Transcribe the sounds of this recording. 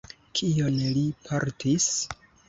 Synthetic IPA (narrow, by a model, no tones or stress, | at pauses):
kʰionlipʰaɾtis